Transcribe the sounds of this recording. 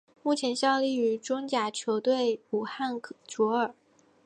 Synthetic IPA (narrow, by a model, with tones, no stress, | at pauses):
mu˥˩t͡ɕʰjɛ˧˥nɕjɑ˥˧ʊli˥˩y˧˥ʈ͡ʂʊ˥ŋt͡ɕja˧˩t͡ɕʰjo˧˥ʊt̪we˥˩ɪu˨˩xa˥˩nt͡ɕɔ˧˥ə˞˨˩˦